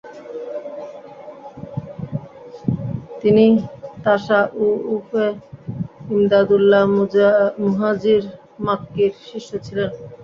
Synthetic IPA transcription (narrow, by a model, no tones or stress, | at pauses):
t̪init̪aʃaʔuufe | imd̪ad̪ulːa | muɦad͡ʑiɾ | makːeɾʃiʃːot͡ɕʰilen